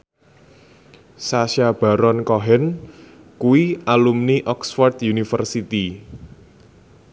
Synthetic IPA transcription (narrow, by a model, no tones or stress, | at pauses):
saʃjab̥a̤ɾɔnkɔɦɛn | kuwialumniʔɔksfɔrt̪junifərsit̪i